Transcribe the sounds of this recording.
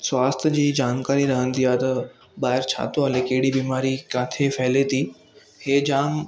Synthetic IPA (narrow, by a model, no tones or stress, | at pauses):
sʋast̪ʰjəd͡ʑiːd͡ʑaːnkaɾiɾəɦənt̪iat̪ə | baːɦeɾt͡ɕʰa̰t̪oalekeɽibiːmaɾikãːt̪ʰefeːlet̪iː | hed͡ʑaːm